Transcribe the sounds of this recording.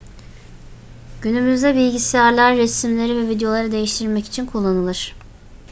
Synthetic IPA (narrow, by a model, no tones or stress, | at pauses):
ɟ̥ynymyzd̪ɛbilʲɟisijaɾlʲˠæɾːesimlʲe̞ɾivɛvid̪ejo̞lˠaɾɯd̪e̞jiʃt̪ʰiɾmɛci̥t͡ʃʰinkʰulˠːanɯlˠɯɾ̥